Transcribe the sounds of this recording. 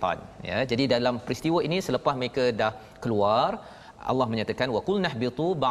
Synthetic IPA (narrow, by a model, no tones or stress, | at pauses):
a̰nja̰d͡ʒadidalampɾist̪iwəinĩsələpasməɾekadah | kəluar | ʔa̰lːahmə̃ɲat̪akanwakulnaħbit̪ˤuba